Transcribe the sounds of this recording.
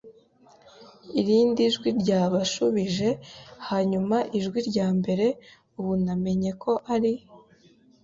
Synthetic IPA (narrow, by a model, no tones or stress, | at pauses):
iɾiːndiʒɡwiɾɟaːβaʃuβiʒe̞haɲumaʔiʒɡwiɾɟaːmbe̞ɾe̞ | uβuname̞ɲe̞kʰo̞ʔaɾi